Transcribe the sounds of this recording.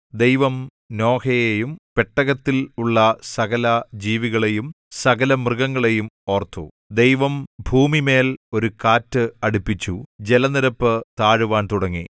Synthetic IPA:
d̪ejʋɐm | no̞ːkʰɐjejumpeʈːɐɣɐt̪ːiluɭːɐsɐɣɐlɐd͡ʑiːʋiɣɐɭe̞jum | sɐɣɐlɐmrɨɣɐŋːɐɭe̞jumo̞ːrt̪ːṵ | d̪e̞jʋɐmbʱuːmime̞ːlo̞ɾukaːtːɨɐɽupːit͡ɕːud͡ʑelɐniɾɐpːɨt̪aːɻuʋaːnt̪uɽɐŋːḭ

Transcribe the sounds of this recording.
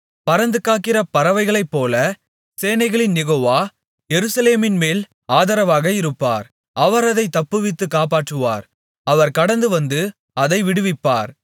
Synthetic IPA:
pɐɾɐnd̪ɯkːaːkːɪrɐpɐɾɐʋɐɪɣɐɭɐɪpːoːlɐ | seːnɐɪɣɐɭɪnjɛɣoːʋaː | jɛɾɯsɐleːmɪnmeːl | aːðɐɾɐʋaːɣɐɪɾɯpːa̰ːɾ | ʔɐʋɐɾɐðɐɪt̪ːɐpːɯʋɪt̪ːɯkːaːpaːʈrɯʋa̰ːɾ | ɐʋɐɾkɐɽɐnd̪ɯʋɐnd̪ɯ | ɐðɐɪʋɪɽɯʋɪpːa̰ːɾ

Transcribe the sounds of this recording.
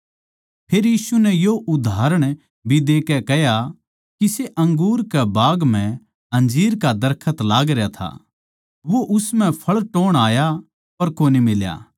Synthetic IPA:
pʰeːɾjiːsunɛjoʔʊd̪ʱaːɾəɽ̃ | bʱid̪eːkɛkɛɦja | kiseʔɐ̃ŋɡuːɾkɛbaːɡm̤ɛ̃ | ɦɐ̃nd͡ʒiːɾkad̪ɐɾkʰət̪laːɡɾjat̪ʰa̰ | ʋoʔʊsmɛ̃pʰɐɭʈoːɽ̃aːja | pɐɾkoːnimɪlja̰ː

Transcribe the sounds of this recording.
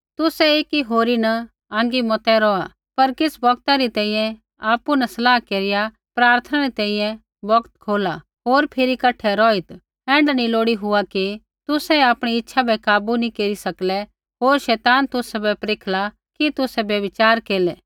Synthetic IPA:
t̪ʊsɛeːkiɦoːɾinɐ | ãːŋ̆ɡimɔt̪ɛɾɔːa | pɐɾkɪsbɐkt̪aɾit̪ɛ̃ːĩjɛ̃ | aːpunɐsɐlaːɦkeːɾɪja | pɾaːɾt̪ʰənaɾit̪ɛ̃ːĩːjɛ̃ | bɐkt̪kʰoːla | ɦoːɾpʰɪɾikɐʈʰɛɾɔːɪt̪ | ɛ̃ːɳɖnĩloːɽiɦʊaki | t̪ʊsɛaːpɽ̃iɪtːʃʰabɛkaːbunikeːɾisɐklɛ | ɦoːɾʃɛːt̪aːnt̪ʊsɛbɛpɾeːkʰla | kit̪ʊsɛbjɐʋɪt͡ʃaːɾkeːlɛː

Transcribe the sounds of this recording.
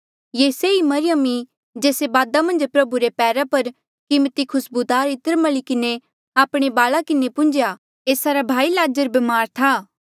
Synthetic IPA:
jeːseimɐɾɪjəmi | d͡ʒeːsebaːd̪amɐ̃nd͡ʒpɾɐbuɾepɛːɾapɐɾ | kɪmt̪ikʰʊsbud̪aːɾɪt̪əɾmɐɭikɪne | aːpɽ̃ebaːlakɪnepʊ̃nd͡ʒja | eːsaɾabʱaːilaːd͡ʒəɾbɐmaːɾt̪ʰaː

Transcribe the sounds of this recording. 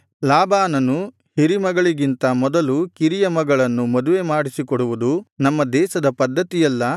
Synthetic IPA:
laːbaːnɐnu | hiɾimɐɡɐɭiɡint̪ɐmɔd̪ɐlukiɾijɐmɐɡɐɭɐnːumɐd̪uʋe̞maːɽisikɔɽuʋud̪unɐmːɐd̪ɛːʃɐd̪ɐpɐd̪ʱːɐt̪ijɐlːɐ

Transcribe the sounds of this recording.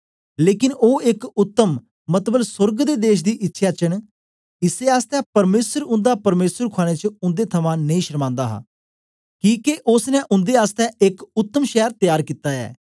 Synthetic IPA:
leːkɪnoːɪkʊt̪ːəm | mət̪bəlsʊɾɡd̪eːd̪eːʃd̪iːʔɪtːʃʰjaːt͡ʃəɳ | ɪseːaːst̪ɛːpəɾmeːsəɾʊ̃nd̪aːpəɾmeːsəɾkʰaːɽ̃ẽːt͡ʃəʊ̃nd̪eːt̪ʰəmãːnəĩːʃəɾmãːnd̪a̰ːɦa̰ː | kiːkeʔʊsnɛ̃ːʔʊ̃nd̪eːaːst̪ɛːʔɪkʊt̪ːəmʃɛːəɾt̪jaːɾkiːt̪aːɛ̰ː

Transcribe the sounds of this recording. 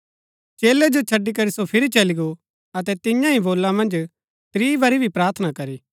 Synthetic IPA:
t͡ʃeːled͡ʒot͡ʃʰɐɖːikɐɾisopʰɪɾit͡ʃɐliɡo | ɐt̪ɛt̪ɪjãĩboːlːãmɐ̃nd͡ʒ | t̪ɾiːbɐɾibʱipɾaːɾt̪ʰnakɐɾiː

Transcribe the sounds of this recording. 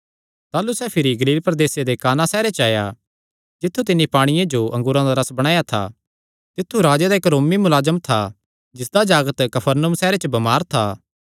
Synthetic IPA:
t̪aːlusɛpʰɪɾiɡɐliːlpɾɐd̪eːsed̪ekaːnasɛːɾet͡ʃaːja̰ | d͡ʒɪt̪ʰːut̪̬ɪnːipaːɽ̃ɪjẽd͡ʒoʔɐ̃ŋɡʊɾãd̪aɾɐsbɐɽ̃ãːjat̪ʰa̰ | t̪ɪt̪ʰːuɾaːd͡ʒed̪aɪkɾoːmimʊlaːzəmt̪ʰa | d͡ʒɪsd̪ad͡ʒaːɡət̪kɐpʰəɾnumsɛːɾet͡ʃəbɐmaːɾt̪ʰaː

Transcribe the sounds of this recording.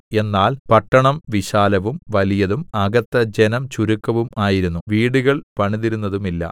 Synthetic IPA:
e̞nːaːlpɐʈːɐɳɐmʋiɕaːlɐʋumʋɐlijɐðumɐɡɐt̪ːɐd͡ʑenɐmt͡ɕuɾukːɐʋumaːjiɾunːuʋiːɽuɣɐɭpɐɳiðiɾunːɐðumilːɐ̰

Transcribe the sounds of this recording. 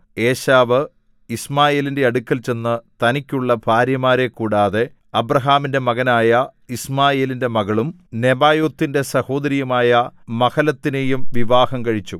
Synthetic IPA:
e̞ːɕaːʋɨ | ismaːje̞ːlinde̞ɐɽukʲːɐlt͡ɕe̞nːɨt̪ɐnikʲːuɭːɐbʱaːɾjɐmaːɾe̞kːuːɽaːðe̞ | ɐbrɐɦaːminde̞mɐɣɐnaːjɐismaːje̞ːlinde̞mɐɣɐɭum | ne̞baːjoːt̪ːinde̞sɐho̞ːd̪ɐɾijɐmaːjɐmɐkɐlɐt̪ːine̞jumʋiʋaːhɐmkɐɻit͡ɕːu

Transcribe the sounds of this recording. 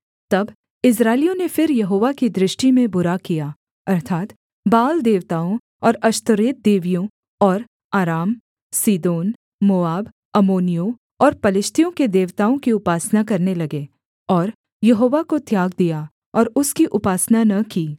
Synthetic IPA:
t̪ɐb | ɪs̬ɾaːɪlijõnefɪɾjɐɦoːʋakid̪ɾɪʃʈimẽbʊɾakijaː | ɐɾt̪ʰaːt̪ | baːld̪eːʋt̪aːõ | ɔːɾɐʃt̪ʊɾeːt̪̚d̪eːʋijõ | ɔːɾ | aːɾaːm | siːd̪oːn | moːaːb | ɐmoːnijõ | ɔːɾpɐlɪʃt̪ʰijõked̪eːʋt̪aːõkiʊpaːsnakɐɾnelɐɡe | ɔːɾ | jɐɦoːʋakot̪jaːɡ̚d̪ija | ɔːɾʊskiʔʊpaːsnanɐkiː

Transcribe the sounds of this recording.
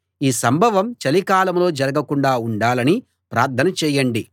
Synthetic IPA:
iːsɐmbʱɐʋɐmt͡ʃɐlikaːlɐmlo̞ːd͡ʒɐɾɐɡɐkuɳɖaːuɳɖaːlɐni | pɾaːɾt̪ʰːɐnɐt͡ʃɛːjɐɳɖi

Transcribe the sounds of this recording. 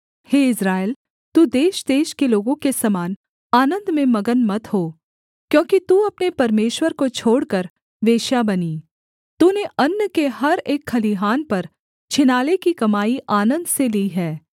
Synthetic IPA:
heːɪsɾaːɪl | t̪uːd̪eːʃd̪eːʃkeloːɡõkesɐmaːn | aːnə̃nd̪mẽmɐɡənmɐt̪ɦoː | kjõːkit̪uɐpnepɐɾmeːʃwəɾkot͡ʃʰoːɽkəɾ | ʋeːʃjabɐniː | t̪uːneʔɐnːəkeɦɐɾeːkʰːɐliɦaːnpɐɾ | t͡ʃʰɪnaːlekikɐmaːiʔaːnə̃nd̪seliɦɛː

